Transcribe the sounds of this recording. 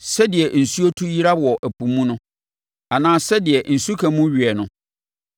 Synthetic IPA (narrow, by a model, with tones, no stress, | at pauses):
sɛ˦dɪ˨ɛ˨n̩˨su˦o˦tʰu˦ji˦ɾa˦wɔ˨ʔæ˨pʰũ˨mũ˦nʊ̃˦ | a˨nãː˦sɛ˦dɪ˨ɛ˨n̩˨su˦kʰã˨mũ˦ɥi˨ɛ˨nʊ̃˦